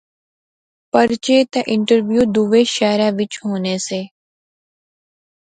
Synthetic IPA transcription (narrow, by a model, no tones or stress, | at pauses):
pəɾt͡ʃeːt̪eʔɪ̃ɳʈəɾʋjuːd̪uʋeʃɛːɾaʋɪt͡ʃɦoːneseː